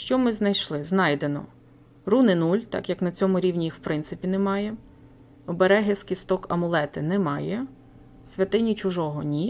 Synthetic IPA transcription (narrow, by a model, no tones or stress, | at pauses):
ʃt͡ʃɔmɪznɐjʃlˠɪznɑjd̪enɔ̰ | runɪnulʲt̪ɑ̰kjɐknɐt͡sʲɔmʊɾʲiwnʲijixwpɾɪnt̪sɪpʲinemɑjɛ | ɔbeɾɛɦeskʲist̪ɔkɐmʊlˠɛt̪ɪnɛmɑjɛ | sʲʋʲɐt̪ɪnʲit͡ʃʊʒɔɦɔnʲi